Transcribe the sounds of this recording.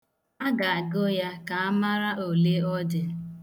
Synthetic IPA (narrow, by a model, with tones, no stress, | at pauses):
a˦ɡa˨a˨ɡo˦ja˦ka˨a˦ma˦ɾa˦ʔo˨le˦ɔ˦dɪ˨